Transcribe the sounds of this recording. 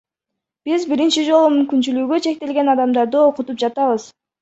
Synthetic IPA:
b̥izbiɾint͡ʃid͡ʒo̞lˠumymkynt͡ʃylyɡøt͡ʃʰe̞k̚t̪e̞lɡe̞nɑd̪ɑmd̪ɑɾd̪ɯo̞qut̪up̚d͡ʒɑt̪ɑβɯz̥

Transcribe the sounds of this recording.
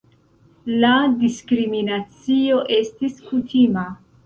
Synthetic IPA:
ladiskɾiminat͡sio̞ʔe̞stiskutʰima

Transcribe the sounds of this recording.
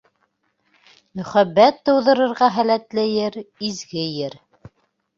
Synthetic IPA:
mɵ̆χæbːæt̪ːɤ̆wðɤ̆ɾɤ̆ɾʁɑɦælæt̪læjɘɾizɡɘjɘɾ

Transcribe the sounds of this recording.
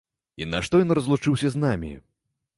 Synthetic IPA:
inɐʂt̪ɔjɔnrɐzlˠut͡ʂɨwsʲɐznamʲḭ

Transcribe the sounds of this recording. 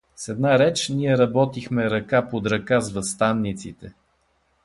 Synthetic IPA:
sɛd̪naɾɛt͡ʃniɛɾɐbɔt̪ixmɛɾɐkapod̪ɾɐkazvɐst̪anːit̪sit̪ɛ

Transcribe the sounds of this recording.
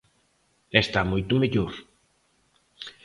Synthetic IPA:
est̪amojt̪ʊmeʎoɾ

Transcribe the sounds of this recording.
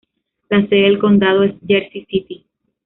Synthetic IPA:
laseðelko̞nd̪aðoesd͡ʒeɾsisit̪i

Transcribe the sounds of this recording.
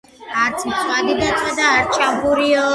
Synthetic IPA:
aɾt̪sʰmt̪ʰʼwad̪id̪at̪ʰʼad̪aːɾt͡ʃʰabuɾiɔ

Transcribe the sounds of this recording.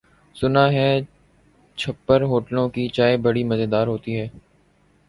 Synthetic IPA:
sʊnaːɦɛː | t͡ʃʰɐpːəɾɦoːʈlõkit͡ʃaːebɐɽimɐzed̪aːɾɦoːt̪iɦɛː

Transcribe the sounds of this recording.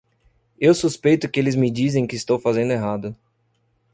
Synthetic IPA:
ewsuspejt̪ʊkɪelɪzmɪd͡ʒizẽj̃kɪːst̪owfazẽnd̪ʊeɦad̪ʊ

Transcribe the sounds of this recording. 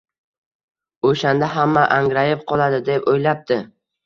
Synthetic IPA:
oʃand̪aɦamːaʔaŋɾajɪp̚qʰɒlˠad̪ɪd̪e̞pojlap̚t̪ɪ

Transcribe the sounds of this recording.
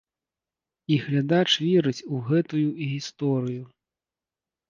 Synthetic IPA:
iɣlʲad̪at͡ʂvʲɛɾɨt͡sʲuɣɛt̪ujuiɣʲist̪ɔɾɨju

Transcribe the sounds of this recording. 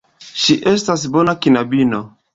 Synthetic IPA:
ʃiʔestas̬bonakinabino

